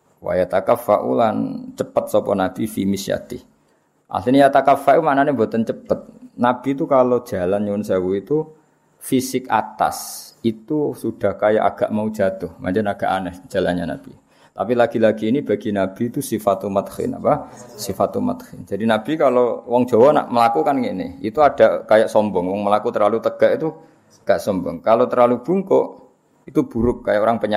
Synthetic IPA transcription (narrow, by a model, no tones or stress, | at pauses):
wa̰jat̪akapfa̰ʔṵlant͡ʃəpət̪̚sɔpɔnab̥ifimisja̰t̪ḭh | ʔa̰linijat̪akapfaʔumaʔnanembot̪ənt͡ʃəpət̪̚nab̥it̪ukalo̥d͡ʒ̥a̤lanɲunsawuit̪u | fisɪka̰t̪a̰sit̪usud̥a̤hkaja̰ʔa̰ɡ̥aʔmau̥d͡ʒa̤t̪ʊhma̰nd͡ʒanaɡ̥aʔanəhd͡ʒ̥a̤la̰nɲana̰b̥i | t̪apilaɡ̥ilaɡ̥iːnib̥aɡ̥inab̥it̪usifat̪umət̪hɪ̰na̰pasifat̪umə̰t̪hɪnd͡ʒ̥adinab̥ikalowɔŋ̥d͡ʒ̥awana̰ʔməlakukanŋinɪ̰hḭt̪uad̥akajaʔsɔmbɔŋwɔŋməlakut̪ərlalut̪əɡ̥aʔit̪u | ɡ̥aʔsɔmbɔŋkalot̪ərlalub̥uŋkɔʔ | it̪ub̥uɾʊk̚ːajaʔoɾaŋpəɲa